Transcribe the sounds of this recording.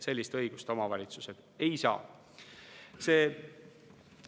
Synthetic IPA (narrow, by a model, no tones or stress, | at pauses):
se̞lʲːist̪ɤ̞jɡ̥ust̪o̞mɑvɑlʲit̪suse̞d̪̥e̞jsɑ̰ː | se̞ː